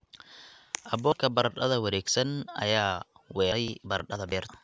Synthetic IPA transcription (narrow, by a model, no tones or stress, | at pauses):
ʔɐbɔːkʰɐbɐɾɗɐðɐwɐɾɛːɡsɐnɐ̰jaːwɛːɛjbɐrɗɐðɐbɛːrt̪ʰɐ̥